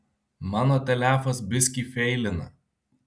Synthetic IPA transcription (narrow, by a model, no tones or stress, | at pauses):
mɑːnoːt̪ʲɛlʲæːfɐsbʲɪsʲkʲiːfʲɛɪlʲɪnɐ̰